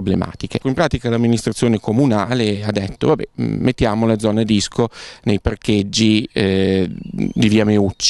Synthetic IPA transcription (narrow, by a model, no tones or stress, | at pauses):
blema̰ːt̪ikeimpɾaːt̪ikalamːinist̪ɾat̪sːjoːnekomunaːlead̪ːet̪ːo̰vabɛ̰met̪ːjaːmoled̪zɔːned̪iskonejparked͡ʒːi | d̪iviameut͡ʃːi